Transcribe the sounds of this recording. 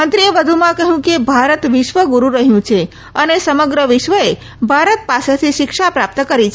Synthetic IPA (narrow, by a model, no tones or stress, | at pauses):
mənt̪ɾieʋəd̪ʱumãkəɦjũkebʱaɾət̪ʋɪʃʋəɡuɾũɾəɦjũt͡ʃʰe | ənesəməɡɾəʋɪʃʋəe | bʱaɾət̪̚paset̪ʰiʃɪkʃapɾap̚t̪əkəɾit͡ʃʰe